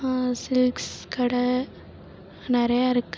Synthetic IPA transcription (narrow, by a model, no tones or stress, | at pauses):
sɪlkskɐɽɐ | nɪɾɐjaɪɾɯkː